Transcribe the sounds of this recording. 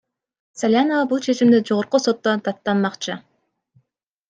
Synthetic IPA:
salʲanovɑbulˠt͡ʃʰe̞t͡ʃimd̪ed͡ʒo̞ʁoɾquso̞t̪ːont̪ʰɑt̪ːɑnmɑqt͡ʃɯ

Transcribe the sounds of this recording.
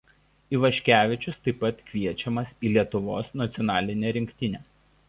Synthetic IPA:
iːʋɐʃʲkʲæːʋʲɪt͡ʃʲʊst̪ɐɪpːɐt̪kʲʋʲiɛt͡ʃʲɛmɐsiːlʲiɛt̪ʊʋo̰ːsnɐt̪sʲɪɔnɑːlʲɪnʲeɾʲɪŋʲkʲt̪ʲɪnʲeː

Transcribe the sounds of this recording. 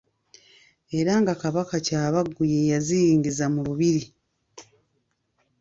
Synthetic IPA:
e̞ɾaŋɡakaβakacaːβaɡːujejazijiːɲɟizamuluβiɾi

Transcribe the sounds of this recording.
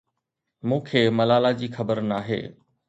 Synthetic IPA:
mũːkʰeːmɐlaːlad͡ʑiːxɐbəɾnaːɦḛː

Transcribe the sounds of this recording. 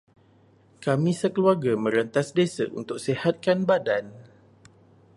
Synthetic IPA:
kamĩsəkəluarɡamə̃ɾənt̪asdesa̰ʔṵnt̪ʊk̚sehat̪̚kanbadan

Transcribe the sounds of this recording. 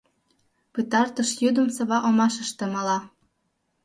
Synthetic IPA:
pɯt̪ɑrt̪ɤ̆ʃjyd̪ə̆msɤ̆βɑʔomɑʃə̆ʃt̪ĕmɤ̆lɑ

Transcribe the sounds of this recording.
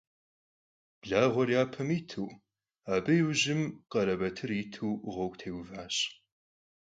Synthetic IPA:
b̥ɮaːʁʷɔrjaːpʰɐmiːtʰuː | aːbɨjuʑɪmqɐɾɐbɐtʰɨriːtʰuːʁʷɐwɡtʰeːwvaːɕ

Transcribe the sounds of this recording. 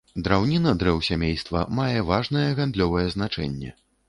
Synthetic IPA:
d̪ɾawnʲinɐd̪ɾɛwsʲamʲejst̪vɐ̰majɛvaʐnɐjɛɣand̪lʲɔvɐjɛznat͡ʂɛ̰nʲːɛ̰

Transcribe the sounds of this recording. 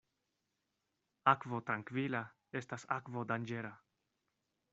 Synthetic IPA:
akvo̞tɾaŋkvila | e̞stasakvo̞dand͡ʒe̞ɾa

